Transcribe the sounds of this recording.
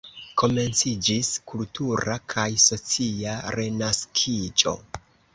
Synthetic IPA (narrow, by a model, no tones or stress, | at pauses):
ko̞me̞nt͡sid͡ʒiskultuɾakʰajso̞t͡siaɾe̞naskʰid͡ʒo̞̰